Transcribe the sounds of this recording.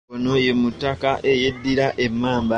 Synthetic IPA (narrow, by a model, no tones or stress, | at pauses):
onoje̞mutːakaʔejedːiɾaʔe̞mːaːmba